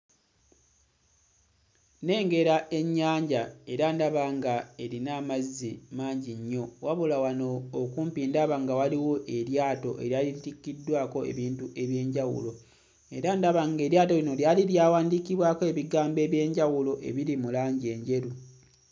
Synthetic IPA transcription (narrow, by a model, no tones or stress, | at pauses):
ne̞ːŋɡe̞ɾaʔe̞ɲːaːɲɟae̞ɾandaβaŋɡae̞ɾinaːmazːimaːɲɟiɲːo̞waβulawano̞ːkuːmpiːndaβaŋɡawaliwo̞ʔe̞ɾjaːto̞̰ʔe̞̰ɾjalitikːidːwaːko̞e̞̰βiːntuʔe̞βje̞ːɲɟawṵlo̞ | e̞̰ɾandaβaŋɡe̞ːɾjaːto̞lino̞ljaliljaːwaːndikiβwaːkoe̞ːβiɡaːmbe̞ːβje̞ːɲɟawulo̞ʔe̞̰βiɾimulaːɲɟie̞ːɲɟe̞ɾu